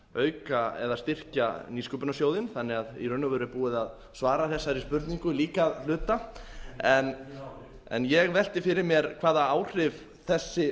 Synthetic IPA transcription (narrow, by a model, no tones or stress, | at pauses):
œːɥkaɛ̰ðast̪ɪr̥caniːskʏpʏnasjoːwðɪnθanːɪɣaðḭrʏnːʏvœːɾʏpuːɪðað | svaːɾaθɛsːaɾispʏɾt̪niŋkʏliːkalʏːt̪a | ɛn | ɛ̰njɛɣvɛl̥t̪ɪfɪɾɪɾmjɛɾkʰvaːðaaːwr̥ɪv | θɛsːɪ